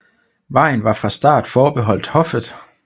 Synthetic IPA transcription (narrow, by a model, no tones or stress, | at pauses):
ʋɑ̈ɪ̰n̩ʋɑ̈fʁɑ̈sd̥ɑ̰̈ːd̥fɒːb̥e̝ɦɒ̽l̰d̥hɒ̽fð̩ˠ